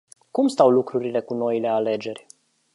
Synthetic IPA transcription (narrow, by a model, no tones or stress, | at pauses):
kumst̪awlukɾuɾile̞kuno̞ile̞ale̞d͡ʒe̞rʲ